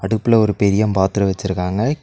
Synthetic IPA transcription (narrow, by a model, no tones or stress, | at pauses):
ɐɽɯpːɯlɐɔɾɯpɛɾɪjɐmpaːt̪ɯɾɐʋɐt͡ʃːɪɾɯkːaːŋɡɐ